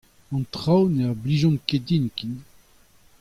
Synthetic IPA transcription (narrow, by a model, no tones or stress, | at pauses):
ɑ̃nt̪χawneaʁbliʒɔ̃nked̪inkin